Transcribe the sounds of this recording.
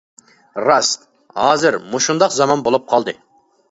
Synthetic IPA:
ɾɑst̪ | hɑːzɪɾmuʃund̪ɑqzɑmɑnbolˠup̚qʰɑlˠd̪ɨ

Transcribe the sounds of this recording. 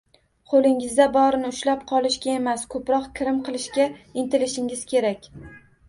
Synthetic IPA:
qʰolˠɪŋɪzd̪abɒɾɪnɪʊʃlapqʰɒlˠɪʃɡʲae̞maskʰɵpɾɒqkʲʰɪɾɪmqʰɨlˠɪʃɡʲaɪnt̪ʰɪlɪʃɪŋɪz̥kʲʰe̞ɾakʲ

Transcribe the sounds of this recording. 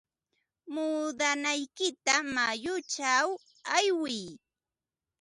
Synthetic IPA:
muːd̪anajkɪt̪amajʊt͡ʃaw | ajwɪj

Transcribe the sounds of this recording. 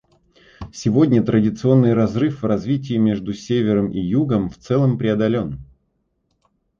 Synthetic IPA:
sʲɪvo̞dʲnʲət̪ɾədʲɪt̪sɨo̞nːɨjrɐzrɨfvrɐzvʲitʲɪjɪmʲe̞ʐd̪ʊsʲevʲɪɾəmʔijuɡəmft̪sɛlˠəmpɾʲɪɐd̪ɐlʲo̞n

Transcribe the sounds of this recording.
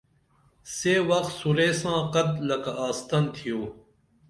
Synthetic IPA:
seːwɐkt̪suɾeːsãːqɐd̪lɐkaːst̪ɐnt̪ʰijoː

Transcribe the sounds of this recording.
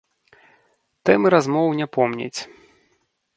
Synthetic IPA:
t̪ɛmɨɾazmɔwnʲɛpɔmnʲɛ̰t͡sʲ

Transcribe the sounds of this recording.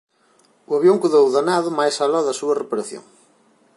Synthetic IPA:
uaβjoŋkuðowðanaðʊmajsalaðɐsuɐrepaɾaθjo̰ŋ

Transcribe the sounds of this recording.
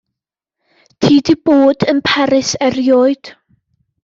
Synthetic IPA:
tʰiːdib̥oːdənpʰɛɾɪsɛrjɔɨd̥

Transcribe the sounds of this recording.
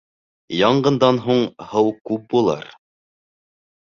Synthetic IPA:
jɑɴɢɤ̆nd̪ɑnɦuɴhɤwkʉp̚bulˠɑ̰ɾ

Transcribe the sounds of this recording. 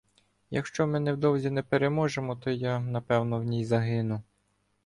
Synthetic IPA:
jɐ̰kʃt͡ʃɔmɪnɛwd̪ɔwzʲinɛpeɾemɔʒemɔt̪ɔjanɐpɛwnɔwnʲijzɐɦɪnʊ

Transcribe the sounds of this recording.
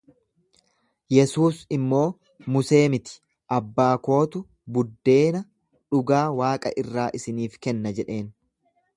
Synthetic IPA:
jɛsuːsɪmːo̞ː | mʊse̞ːmɪt̪ɪ̥ | ʔɐbːaːko̞ːt̪ʊ | bʊd̪ːe̞ːnɐ | ᶑʊɡaːwaːkʼɐ̰ʔɪrːaːʔɪsɪniːfkɛnːɐd͡ʒɛᶑe̞ːn

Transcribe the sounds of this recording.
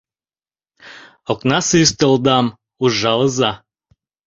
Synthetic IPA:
oknɑsɨyst̪əlˠd̪ɑm | uʒɑlˠəzɑ

